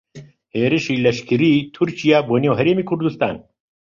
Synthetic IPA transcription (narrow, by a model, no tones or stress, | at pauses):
heːɾɪʃiːlɐʃkɨɾiːt̪ʰuɾt͡ʃijaːboːnewɦɐɾeːmiːkʰʊɾd̪ust̪a̰ːn